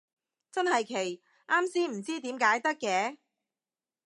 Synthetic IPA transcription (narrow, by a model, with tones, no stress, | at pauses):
t͡sɐ˥nɦɐ˨jkʰe˨˩j | ʔaː˥msiː˥m̩˨˩t͡siː˥t̪iː˨˥mkaː˨˥jt̪ɐ˥kːɛː˨˧˥